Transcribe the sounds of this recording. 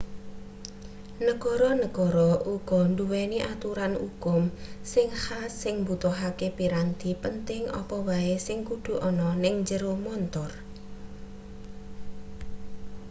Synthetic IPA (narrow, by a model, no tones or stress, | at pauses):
nəkɔɾɔnəɡɔɾɔʔuɡ̥ɔ̤nd̪uwɛniʔat̪uɾanṵkʊmsɪŋhasɪŋmbut̪uɦakepiɾand̪i̤pənt̪ɪŋɔ̰pɔwaesɪŋkud̪̥ṳʔɔnɔnɪŋɲd͡ʒəɾomɔnt̪ɔr